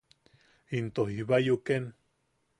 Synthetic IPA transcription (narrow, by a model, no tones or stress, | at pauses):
int̪ohihβajuken